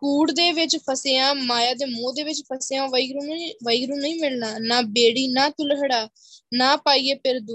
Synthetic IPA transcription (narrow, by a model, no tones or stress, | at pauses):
kuːɽd̪eːʋɪt͡ʃpʰəseãːmaːjaːd̪eːmõːd̪eːʋɪt͡ʃpʰəsejãːʋəiɡɾũːʋəiɡɾũːnəĩːmɪlnaːnaːbeːɽiːnaːt̪ʊlɦəɽaː | nãːpaːiːeːpɪɾd̪uː